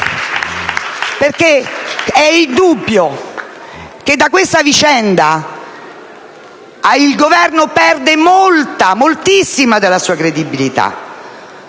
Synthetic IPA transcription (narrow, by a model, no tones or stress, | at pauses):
perkeɛild̪ubːjo | ked̪ːakːwest̪avit͡ʃɛnd̪a | ilɡovɛrnopɛrd̪emolt̪amolt̪isːimad̪elːasuːakɾed̪ibilit̪a̰